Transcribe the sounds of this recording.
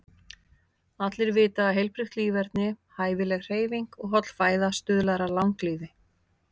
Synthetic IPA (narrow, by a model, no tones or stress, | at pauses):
at̪lɪɾvɪːt̪aːɦejlpɾʏxt̪liːvɛɾt̪nɪhaːjvɪlɛɣr̥eːjviŋkɔɣɦɔt̪l̥faːjðast̪ʏːðlaɾalawŋkliːðɪ